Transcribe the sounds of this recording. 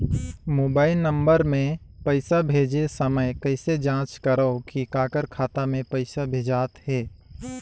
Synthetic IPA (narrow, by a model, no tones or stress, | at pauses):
moːbaːɪlnə̃mbəɾmẽ | pəɪsabʱeːd͡ʒesəməjkəɪsed͡ʒãːt͡ʃkəɾəokikaːkəɾkʰaːt̪amẽpəɪsabʱeːd͡ʒaːt̪hɛː